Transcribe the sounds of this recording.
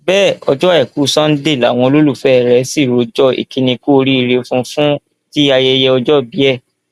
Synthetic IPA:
bɛː˦˨ɔ˧d͡ʒɔ˦ɛ˦˨ku˨˦sã˦n̩˦de˦˨la̰˨w̃ɔ̃˧o˧lo˦lu˦˨fɛ˨˦˨ɾɛ˨˦si˦˨ɾo˨˦d͡ʒɔ˦ḭ˨ki˧nĩ˧ko˦˧ɾi˦i˧ɾe˧fũ˧fũ˦ | ti˦a˧jɛ˧jɛ˧ɔ˧d͡ʒɔ˦bi˨˦ɛ˦˨

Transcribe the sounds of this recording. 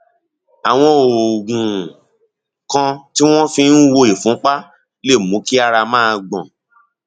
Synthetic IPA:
a˨w̃ɔ̃˧o˨ɡũ˨ | kã˧ti˦w̃ɔ̃˦fĩ˧n̩˦wo˧i˨fũ˨˦k͡pa˦ | le˦˨mũ˨˦ki˦a˧ɾa˧mãː˦˧ɡ͡bɔ̰̃˨

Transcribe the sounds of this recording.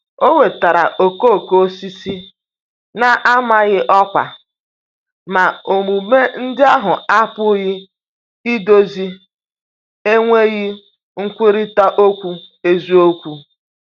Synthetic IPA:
o˦ŋʷe˨ta˨ɾa̰˨ʔo˨ko˦˨ko˦si˦si˦ | na˨ʔa˦ma˦ɣɪ˦ʔɔ˦kʷa̰˨ | ma˨o˨mu˨me˦n̩˦dɪ˦a˦ɦʊ˨a˦pʊ˦ɣɪ˦ | i˦do˦zi˦ | e˦ŋʷe˦ɣɪ˦ | ŋ̩˦kʷɪ˦ɾi˦ta˦ʔo˦kʷu˦e˦zu˦o˦kʷu˦

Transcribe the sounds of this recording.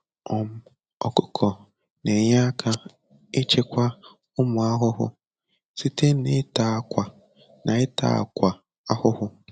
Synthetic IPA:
ɔ˨m̩˦ | ɔ̰˨kʊ˦kʰɔ˨ | ne˨ɲa˦a˦kʰa˦ | e˦t͡ʃe˦kʷa˦ | ʊ˦mʊ˨a˦ɦʊ˦ɦʊ̰˦ | si˦te˦nɪ˦ta˨˦˨kʷa˨ | nʔa˨ɪ˦ta̰˦˨a̰˨kʷa˨ | a˦hʊ˦hʊ˦

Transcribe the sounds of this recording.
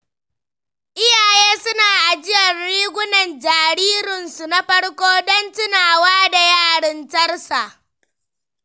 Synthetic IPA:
ʔɪ˦jaː˨jeː˦sʊ˦naː˨ʔa˨d͡ʒɪ˦jɐ˨rɽiː˦ɡʷʊ˦nɐ˨nd͡ʒaː˨ɾiː˦ɾɪ˨nsu˨na˦ɸɐ˦ɽkʷoː˦dɔ˦ntɪ˦naː˨waː˦da˨jaː˦˨ɽɪ˦ntɐ˦rsa˨ʔ

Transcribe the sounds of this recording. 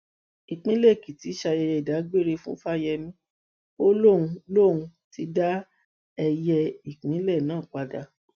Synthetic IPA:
i˨k͡pĩ˨˦lɛ˦˨ki˨ti˨˦ʃa˧jɛ˧jɛ˧i˨da˨˦ɡ͡be˦˨ɾe˧fũ˦fa˦jɛ˧mĩ˦ | o˦lo˦˨ũ˧lo˦˨ũ˧ti˧˦da˦ | ɛ˧jɛ˧i˨k͡pĩ˨˦lɛ˦˨nãː˦˨k͡pa˧da˧

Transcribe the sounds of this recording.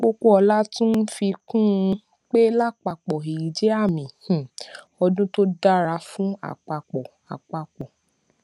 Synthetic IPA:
k͡po˦ko˦ɔ˧la˦tũ˦n̩˦fi˧kũ˦˧ | k͡pe˦la˦˨k͡pa˧k͡pɔ˨e˨i˨d͡ʒe˦a˦˨mĩ˨ | ɔ˧dũ˦to˦da˦ɾa˧fũ˦a̰˦˨k͡pa˧k͡pɔ˨ | a̰˨k͡pa˧k͡pɔ˨

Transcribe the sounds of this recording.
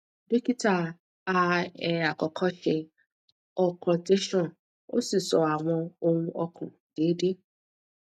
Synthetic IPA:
de˦ki˦ta˦˨ | a˨ɛ˨a˨kɔ˨kʰɔ˦ʃɛ˧ | ɔ˦kʰɔ̃˨te˦ʃɔ̃˦˨ | o̰˦si˨sɔ˨a˨w̃ɔ̃˧o˦ŋũ˦ʔɔ˧kʰṵ̃˨ | d̥eː˨˦de˦

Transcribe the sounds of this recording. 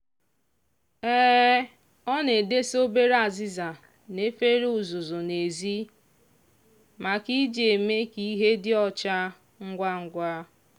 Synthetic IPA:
ɛː˦ | ɔ˦ne˨de˦so˦be˦ɾa˨zɪ˦za˨ | ne˦fe˦ɾe˦u˨zʊ˨zʊ˨ne˨zi˦ | ma˨ki˦d͡ʒe˨me˦ki˦ɦe˦dɪ˦ɔ˦t͡ʃa˦ | ŋ̩˦ɡʷa˦ŋ̩˦ɡʷa˦

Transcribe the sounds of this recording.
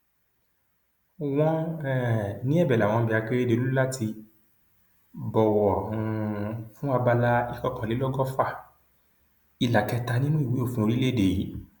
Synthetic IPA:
w̃ɔ̃˦ɛ˦˨nĩ˦ɛ˦˨bɛ˨la˨w̃ɔ̃˧bi˨˧˨a˧k͡pe˦e˦de˧lu˦la˦ti˧ | bɔ˨wɔ˨hũ˧fũ˦a˧ba˧la˦i˦kɔ˧˨kã˨le˨˦lɔ˦ɡɔ˦fa˦˨ | i˧˨la˨kɛ˧ta˧nĩ˦nũ˦i˨wi˨˦o˦˨fĩ˧˦o˧ɾi˦le˦˨de˨i˨˦

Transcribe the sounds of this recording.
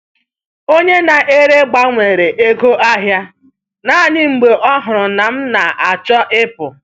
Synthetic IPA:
o˦ɲe˦na˨ʔe˦ɾe˦ɡ͡ba˦ŋʷe˨ɾe˨ʔe˦ɡo˦ʔa˦ɦja˦ | na˦˨nɪ˦ŋ͡m̩˨ɡ͡be˨ʔɔ˦ɦʊ˨ɾʊ˨na˨m̩˦na˨a˨t͡ʃɔ˦ʔɪ˦pʊ˨

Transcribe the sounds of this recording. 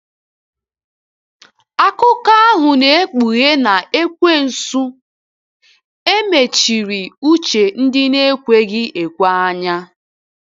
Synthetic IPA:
a˦kʊ˦ka˦a˦ɦʊ˨ne˨e˦k͡pu˨ɣe˦na˨ʔe˦kʷe˦n̩˨su˦ | e˦me˨t͡ʃi˨ɾi˨u˦t͡ʃe˨n̩˦dɪ˦ne˦kʷe˦ɡɪ˦ʔe˨kʷa˦a˦ɲa˦

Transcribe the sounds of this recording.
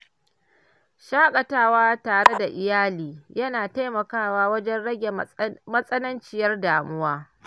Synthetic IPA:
ʃaː˦kʼɐ˨taː˦waː˦taː˨ɽe˦da˨ʔɪ˨jaː˦liː˨jɐ˦naː˨ta˦jmɐ˨kaː˦˨waː˦wɐ˦d͡ʒɛ˦nɽɐ˦ɡʲe˨mɐ˦sʼɐ˦nɐ˦nt͡ʃɪ˦jɐ˦rdaː˨mʊ˦waː˦

